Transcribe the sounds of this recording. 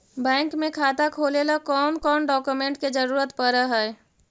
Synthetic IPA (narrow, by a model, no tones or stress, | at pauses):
bɛ̃ːŋkmẽkʰaːt̪akʰoːlelakɔːnkɔːnɖɔːkumẽɳʈked͡ʒəɾuːɾət̪pəɾəɦɛj